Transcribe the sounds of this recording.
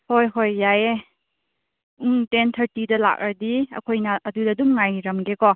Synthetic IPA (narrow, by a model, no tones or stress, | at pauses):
hojɦojːaje | uŋtentʰɐɾtidɐla̰k̚ɐdiɐ̰kʰojnɐʔɐdudɐdumŋajɾɐmɡekɔ